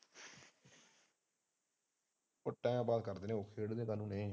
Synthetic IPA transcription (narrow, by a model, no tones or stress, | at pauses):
ʊʈːãːãːbaːd̪̚kəɾd̪eːneːoːkʰeːɽd̪ẽːkənũːneĩː